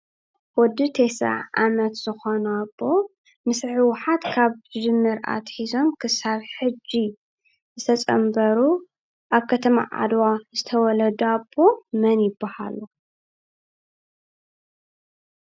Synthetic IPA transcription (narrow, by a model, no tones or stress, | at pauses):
wɔd̪ɨt̪ʰesa̰ʕʔa̰mɐt̪z̥ɨxonabo̞ | mɨsħɨwʊħat̪kʰaβd͡ʒɨmːɨɾa̰t̪ħizo̞mkʰɨsaβħɨd͡ʒːi | zɨt̪ʰɐt͡sʼɐmbɐɾu | ʔaβkʰɐt̪ʰɐma̰ʕa̰d̪wazɨt̪ʰɐwɔlɐd̪abo̞mɐnjɪbːaha̰lu